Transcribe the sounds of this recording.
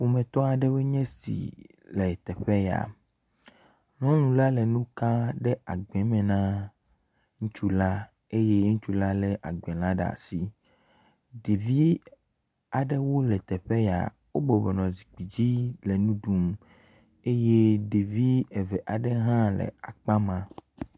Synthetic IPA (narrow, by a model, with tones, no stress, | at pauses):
wo˨mɛ̃˨t̪ɔ˦a˨ɖɛ˦we˦ɲɛ̃˦sḭ˨ | le˨t̪ɛ˨ɸɛ˦ja̰˨ | nɔ̃˦nũ˨la˦lɛ˨nũ˦ka˦ɖɛ˦a˨ɡ͡bɛ̃˨˦mɛ̃˨nã˦ | ŋũ˦t͡ʃu˦la˦ | e˦je˦ŋũ˦t͡ʃu˦la˦lɛ˨ʔa̰˨ɡ͡bɛ̃˨lã˦ɖa̰˨si˨ | ɖe˨vi˦ | a˨ɖɛ˦wo˦lɛ˨t̪ɛ˨ɸɛ˦ja̰˨ | wo˦bo˨be˨nɔ̃˨zi˨k͡pi˨d͡ʑi˦le˨nũ˦ɖu˦m | e˦je˦ɖe˨vi˦e˨vɛ˨ʔa˨ɖɛ˦ɦã˦lɛ̰˨a˨k͡pa˦mã˨